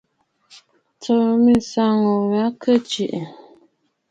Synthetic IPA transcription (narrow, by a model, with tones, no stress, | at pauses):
tə˨mi˦˨sa˦ŋɔ˨ɣa˨˦kʰə˦˨t͡ʃi˨ʔ